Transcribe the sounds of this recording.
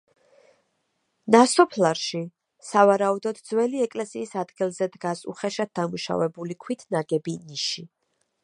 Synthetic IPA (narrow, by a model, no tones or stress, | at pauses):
nasɔpʰlaɾʃi | savaɾaud̪ɔd̪d̪zwɛliɛkʼlɛsiːsad̪ɡilˠzɛd̪ɡasṵχɛʃad̪̚d̪amuʃa̰vɛbulikʰwit̪ʰnaɡɛbiniʃi